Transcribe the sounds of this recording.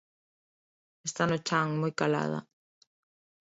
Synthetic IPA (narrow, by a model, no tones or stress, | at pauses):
est̪anʊt͡ʃaŋmojkala̰ð̞a̰